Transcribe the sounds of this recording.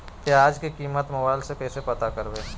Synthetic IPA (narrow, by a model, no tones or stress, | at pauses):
keaːd͡ʒkikiːmət̪mɐbaːlsekɛːsepɐt̪akɐɾbeː